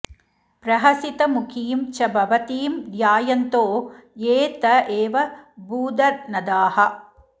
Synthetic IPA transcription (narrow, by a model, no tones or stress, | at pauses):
pɾɐɦɐsit̪ɐmukʰiːmt͡ʃɐbʱɐʋɐt̪iːmd̪jaːjɐnt̪oːjeːt̪ɐʔeːʋɐbuːd̪ɐɾnɐd̪aːhɐ̆